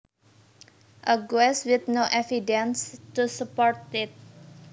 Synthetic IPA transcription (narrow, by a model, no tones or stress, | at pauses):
ʔəɡɛswɪθnoʔɛfidɛ̃nstusəpɔɹt̪ɪt̪̚